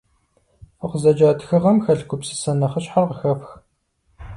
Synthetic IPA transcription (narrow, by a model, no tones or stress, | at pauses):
əqʷzɐd͡ʒaːtʰxɨʁɐmxɐɬɡʷʊpsɨ̥sɐnɐχəɕħarʁəxɐfx